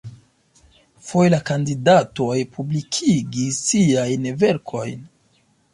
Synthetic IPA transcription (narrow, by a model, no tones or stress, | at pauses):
fojlakandidato̞jpʰublikʰiɡisiajnve̞ɾkʰo̞jn